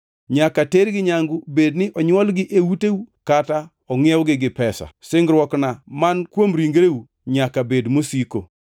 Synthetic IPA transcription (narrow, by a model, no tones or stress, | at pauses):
ɲakateɾɡɪɲaŋɡʊbednɪʔɔɲwɔlɡɪʔewutewukata | ɔŋɪɛwɡɪɡɪpɛsa̰sɪŋɡɾwɔknamankwomɾiŋɡɾeu | ɲakabedmosiko